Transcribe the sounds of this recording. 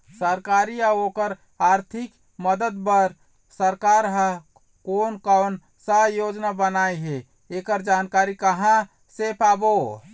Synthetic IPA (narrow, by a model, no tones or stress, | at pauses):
səɾkaɾiaokəɾ | aɾt̪ʰik | məd̪əd̪bəɾ | səɾkaɾɦə | konkan | səjod͡ʒnabənaiɦe | ekəɾd͡ʒankaɾikəɦã | sepʰabo